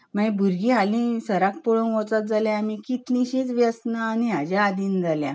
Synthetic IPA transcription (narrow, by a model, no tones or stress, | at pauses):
mãĩbʱuɾɡĩɦalĩsəɾak̚poɭonʋɔ̃t͡sat̪̚d͡zaljãmikit̪lĩɕĩt͡sʋjəsnaːniɦad͡ʑaad̪iːnd͡zaljã̰